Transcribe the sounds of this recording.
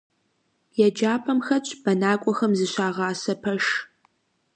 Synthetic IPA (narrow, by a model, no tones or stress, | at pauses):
jɛd͡ʒaːpʰɐmxɐt͡ʃʼb̥ɐnaːkʷʼɔxɐmzɨɕaːʁɑːsɐpʰɐʂ